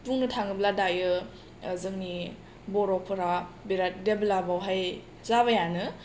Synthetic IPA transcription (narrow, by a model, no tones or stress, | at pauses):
puŋnɯtʰaŋɯbladajɯ | zɯŋni | bɔɾɔpʰɯɾabiɾat̚deblabawɦaj | zaβajanɯ